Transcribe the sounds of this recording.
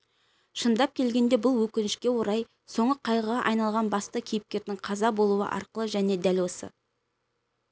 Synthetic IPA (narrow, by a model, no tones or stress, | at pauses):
ʃənd̪ɑp̚kʲʰe̞lɡʲe̞nd̪e̞bʊlˠwɵkʲɪnɪʃkʲe̞wo̞ɾɑj | so̞ɴəqʰɑjʁəʁɑʔɑjnɑlˠʁɑnbɑst̪əkʲʰijɪp̚kʲe̞ɾd̪ɪŋqʰɑzɑbo̞lˠuə̰ʔɑ̰ɾqəlˠəʒæne̞d̪ælwo̞sə̰